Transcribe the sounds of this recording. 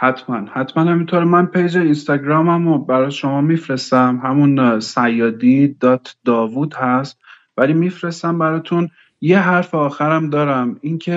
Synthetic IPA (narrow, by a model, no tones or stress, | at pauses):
hæt̪ʰmænhæt̪mænhæmint̪ʰoːɾmænpʰejd͡ʒeinst̪ɒɟɾɒːmæmobæɾɒːjʃo̞mɒːmifɾe̞st̪æmɦæmunsæjːɒːd̪id̪ɒːt̪ʰd̪ɒːvud̪hæst̪̚ | vælimifɾe̞st̪æmbæɾɒːt̪ʰun | jeɦæɾfeɒːxæɾæmd̪ɒːɾæmincʰe